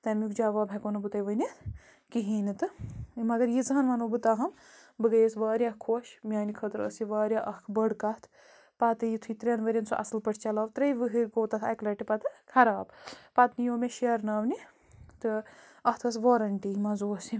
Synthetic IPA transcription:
t̪ɐmjukd͡ʒaːʋaːbʱɐkonɐbɨt̪ɐjʋɐnʲi | kiɦiːnit̪ɨmɐɡɐɾjizɐɦɐnʋaːnobɨt̪aːɦɐm | bɨɡɐjsʋaːɾʲjahkʰoʃmʲjaːnikʰət̪ɾə̰siʋaːɾʲjaʔɐhkʰbəɽkɐt̪ʰ | pat̪ɨjit̪ʰujt̪ɾʲenʋɐɾʲɐnsʰuʔɐ̰sɨlpɐʈʰt͡ʃɐlaːʋt̪ɾɐjʋɨɦɨɾʲɡoːt̪ɐt̪ʰɐklɐʈipɐt̪ɨkʰɐɾaːbpat̪nijoːmʲeʃeɾnaːʋni | t̪ɨ | ɐht̪ʰɐsʋoːɾɐɳʈimɐzoːsi

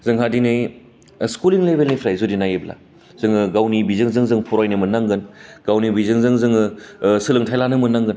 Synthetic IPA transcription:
zɯŋɦadinɯj | skuliŋlebelnipʰɾajzudinajebla̰ | zɯŋɯɡawnibizɯŋzɯŋzɯŋpʰuɾajnɯmɯnaŋɡɯnɡ̥awnibizɯŋzɯŋzɯŋɯsɯlɯŋtʰajlanɯmɯnaŋɡɯn

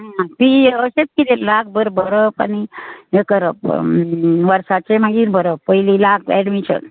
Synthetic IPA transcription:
ɦapiəset͡skit̪ellak̚ʰbəɾbəɾəpa̰nijekəɾəp | ʋəɾsat͡semaɦiːɾbəɾəppəjlilak̚ʰɛɖmiɕə̰n

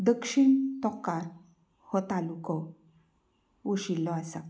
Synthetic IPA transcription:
d̪əkʂiɳt̪ɔkaɾ | hɔt̪alukɔ | uɕilːɔasa

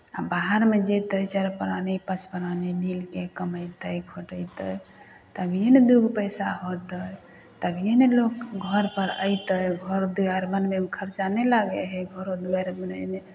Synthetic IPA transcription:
a̰baɦaɾmed͡ʒet̪əjt͡ʃəɾpəɾanipət͡ʃʰpəɾanibilkekəməjt̪əjkʰoʈəjt̪əj | t̪əbʱjened̪uɡʱpəjsaɦot̪əj | t̪əbʱjenelokɡʱəɾpəɾə̰jt̪əjɡʱəɾd̪uaɾmənmemekʰəɾt͡ʃanelaɡeɦɛɡʱəɾod̪uaɾmənəne

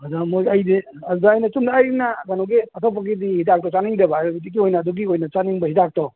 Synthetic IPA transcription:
adamojajdi | ɐaːjnɐsumdaajinaɡanuwɡeatʰɔp̬ːaɡidihitak̚tɔt͡ʃaniŋdebaɾidikiojnaːduɡiojnɐt͡ʃaniŋbɐɦitak̚tɔ

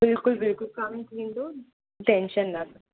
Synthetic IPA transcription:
bɪlkʊlbɪlkʊlkaːmĩk̪ĩːnd̪o | ʈɛ̃nʃənːat̪a

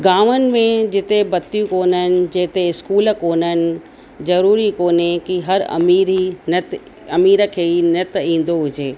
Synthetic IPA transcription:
ɡaːʋənɪ̆mẽd͡ʑɪt̪ebɐt̪ːijũkoːnəɪnɪ̆d͡ʑeːt̪eɪskuːlkoːnəɪnɪ̆ | zɐɾuːɾikoːnekiɦɐɾɐ̰miːɾinət̪ | ɐmiːɾəkʰeːinɐt̪ĩːnd̪oɦʊd͡ʑeː

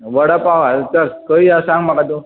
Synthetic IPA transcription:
ʋəɽapaʋat͡səɾkəiasãŋɡmakat̪̬o

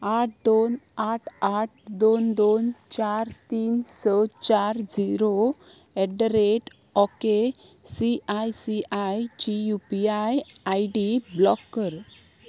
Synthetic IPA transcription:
aʈ̚ʰd̪onaʈʰaʈ̚ʰd̪ond̪ont͡ɕaɾt̪iːnsət͡ɕaɾd͡ziɾo | ɛɖɾeʈ | ɔke | siajsiʔajt͡ɕijupiajajɖiblɔkːəɾ

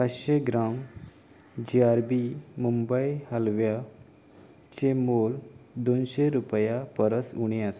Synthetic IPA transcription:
pat͡sɕeɡɾam | d͡ʑiaɾbimumbəjhəlʋja | t͡ɕemold̪onɕeɾupjapəɾəsuɽ̃eas

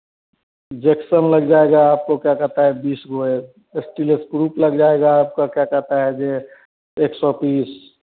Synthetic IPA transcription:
d͡ʒeksənləɡd͡ʒaeɡaːp̚kokjakɛɦt̪aɦɛbiːsɡoe | esʈileskɾuːpləɡd͡ʒaeɡaːp̚kakjakɛɦt̪aɦɛd͡ʒe | eksɔpiːs

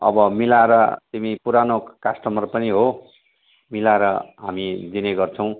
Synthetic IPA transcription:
ʌ̰bʌmilaeɾʌt̪imipuɾanokasʈʌmʌrpʌniɦo | milaeɾʌɦamid͡zineɡʌrt͡sʰʌ̃w̃

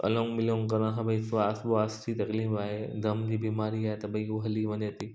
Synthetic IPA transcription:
ɐ̰lɔ̃ːŋɡmɪlõːŋkɐɾ̃ɦãbɐisʋaːsboaːstit̪ɐkliːfaːɦed̪ɐmd͡ʑiːbiːmaːɾiaːɦet̪ɐɓɐĩoɦɐliʋɐɲet̪iː

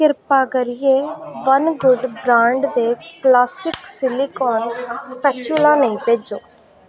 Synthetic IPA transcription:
kɪɾpaːɡəɾɪjẽːʋənɡʊɖbɾãːɳɖd̪eːklaːsɪksɪliːkɔːnspɛːt͡ʃulãːnəĩːpeːd͡ʒoː

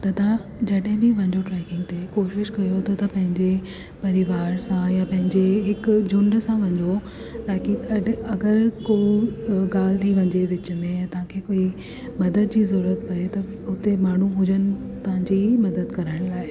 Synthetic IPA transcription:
t̪ɐd̪ãd͡ʑɐɗɦɪ̃bɪʋɐ̃ɲd͡ʑoʈɾɛːkɪ̃ŋɡ̚t̪ekoːʃɪʃkɐjot̪ɐt̪ɐpɐ̃ɦɪ̃ɲd͡ʑe | pɐɾɪʋaːɾsãjapɐ̃ɦɪ̃ɲd͡ʑeɦɪkd͡ʑʊ̃ɳɖsãʋɐ̃ɲd͡ʑo | t̪aːkiɐɐɡəɾkoiɡaːl̤t̪ʰiʋɐ̃ɲd͡ʑeʋɪt͡ɕ̆mẽjat̪ɐʋ̤ãkʰeːkoːi | mɐd̪əd̪̚d͡ʑiːzɐɾuːɾət̪̚pɐet̪ɐ | ʊt̪emaːɳ̤uɦʊd͡ʑənɪ̆ | t̪ɐʋãɲd͡ʑimɐd̪əd̪kɐɾəɽ̃laːɪ

